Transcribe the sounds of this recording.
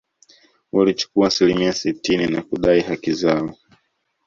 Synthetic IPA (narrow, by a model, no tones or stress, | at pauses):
walit͡ʃu̥kuaːsilimiasitininakuɗaihakizaɔ